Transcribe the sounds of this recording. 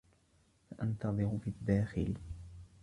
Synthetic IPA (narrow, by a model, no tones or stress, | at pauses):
faʔant̪ɑðˤɨɾʊfid̪ːaːxɪ̰l